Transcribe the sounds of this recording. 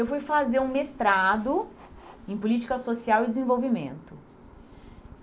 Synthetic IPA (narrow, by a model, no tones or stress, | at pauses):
ewfujfazeɾũmest̪ɾad̪ʊ | ẽj̃pʊlit͡ʃi̥kɐsosiawɪd̪ezẽvowvimḛ̃nt̪ʊ